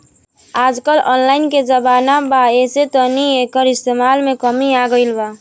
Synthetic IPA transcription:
aːd͡ʒkəlɔ̰ːnlaːɪnked͡ʒəbaːnabaeset̪ɔniekəɾɪst̪eːmaːlmẽkəmiaɡəɪlba

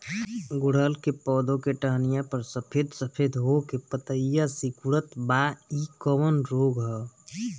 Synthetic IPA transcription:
ɡʊɽ̤əlkepɔːd̪õkeʈəɦnɪjãpəɾsəpʰed̪ʱsəpʰed̪ʱɦokepət̪əjasikʊɾət̪baːikɔmənɾoːɡɦɔ

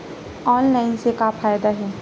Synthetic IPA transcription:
ɔːnlaːɪnsekaːfaːjd̪aɦɛː

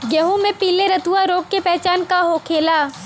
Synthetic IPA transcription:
ɡəɦũmẽpiːleɾɐt̪uaɾoːk̚ːepɛɦt͡ʃaːnkaɦoːkʰeːla

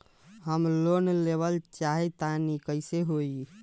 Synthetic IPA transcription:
ɦəmlonleβəlt͡ʃaɦit̪anikəɪseɦoi

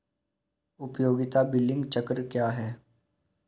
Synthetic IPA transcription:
ʊpjoːɡɪt̪abɪlːɪ̃ŋɡt͡ʃɐkɾkjaːɦɛː

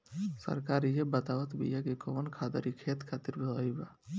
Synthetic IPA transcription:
sə̰ɾkaːɾijebət̪aːʋət̪bḭjakekoːnkʰaːd̪ə̰ɾikʰeːt̪kʰaːt̪ɪɾbət̪aːibaː

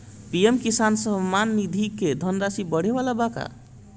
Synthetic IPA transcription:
piemkisansəmːanːid̪ʱiked̪ʱənɾasibəɽ̤eβalabaka̰

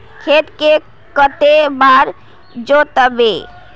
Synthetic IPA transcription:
kʰet̪ke | kət̪emaɾ | d͡ʒot̪əbe

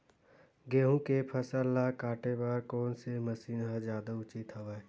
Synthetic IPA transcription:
ɡeːɦũkepʰəsəlːakaːʈebaːɾkɔːnsɪməsiːnɦad͡ʒjaːd̪aʊt͡ʃit̪ɦəʋa

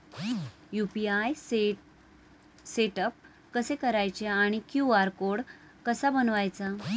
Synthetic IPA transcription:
jupiaj | seʈəp̚ | kəsekəɾajt͡ɕeaɽ̃ikjuaɾkoɽ | kəsabənʋajt͡sa

